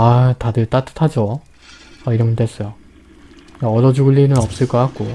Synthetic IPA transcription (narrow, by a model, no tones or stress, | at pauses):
atadɯɭt͈at͈ʰɯ̥tʰad͡ʑo | aiɾʌŋʌtwes͈ʌjo | aʌdʌd͡ʑuɡɯɭːinɯnʌp̚s͈ɯɭk͈ʌkak̚k͈o